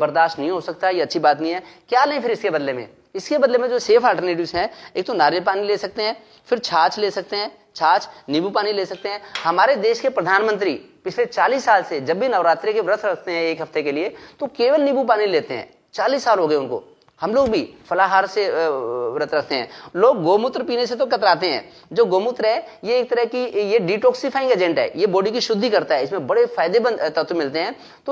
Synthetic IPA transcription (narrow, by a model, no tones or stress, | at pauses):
bɐɾd̪aːʃʈnɐɦĩɦosɐkt̪aɦɛjeɐtːʃʰibaːt̪nəɦĩɦɛːkjaːleɦĩpʰɪɾɪskebɐd̪lemḛ̃ | ɪskebɐd̪lemẽd͡ʒoːseːfʰaːlʈəɾneːʈ̬ɪʋzɦɛ̃eːk̚t̪onaːɾepaːnileːsɐk̚t̪eɦɛ̃ː | fɪɾt͡ʃʰaːt͡ʃleːsɐk̚t̪eɦɛ̃ː | t͡ʃʰaːt͡ʃnɪbupaːnileːsɐk̚t̪eɦɛ̃ːhɐmaːɾed̪eːʃkepɾɐd̪ʱaːnmə̃nt̪ɾipɪt͡ʃʰlet͡ʃaːliːsːaːlsed͡ʒɐbːʱinɐʋɾaːt̪ɾekeʋɪɾət̪ʰɾɐkʰt̪eɦɛ̃eːkɦɐft̪ekeliet̪okeːʋəlnɪbup̬aːnileːt̪eɦɛ̰̃ː | t͡ʃaːliːsːaːlɦoːɡəeʊnko̰ | hɐmloːɡbʱifɐlaɦaːɾse | ɾət̪ʰɾɐkʰt̪eɦɛ̰̃ːloːɡːoːmʊt̪ɾpiːneset̪̬okɐt̪ɾaːt̪eɦɛ̰̃ː | d͡ʒoːɡoːmʊt̪ɾɦɛjeːk̚t̪əɾəɦkijeɖiʈɔːksifʰaːɪ̃ŋɡed͡ʒɛ̃ɳʈɦɛ̰ːjeboːɽikiʃʊd̪ʱːikɐɾt̪aɦɛɪsmẽbɐɽefaːɪd̪ebə̃nt̪ɐt̪ʰwmɪlt̪eɦɛ̃ː | t̪o